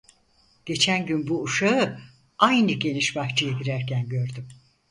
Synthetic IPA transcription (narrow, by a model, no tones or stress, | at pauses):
ɟ̥e̞t͡ʃʰænɟynbuːʃaɯ | ajnɯɟe̞niʃbaht͡ʃʰɯjaɟiɾæɾcʰænɟø̞ɾd̪ym